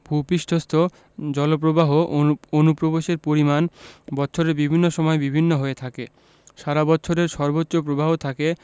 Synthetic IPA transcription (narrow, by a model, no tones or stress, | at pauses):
b̥ʱupiʃʈʰost̪ʰo | d͡ʑɔlop̬ɾobaɦoonupɾoboʃeɾpoɾimanbɔːɕʰoɾeɾbibʱinːoʃɔmɔebibʱinːoɦoet̪ʰake | ʃaɾabɔtːʰoɾeɾʃɔɾbotːɕopɾobʱaɦot̪ʰake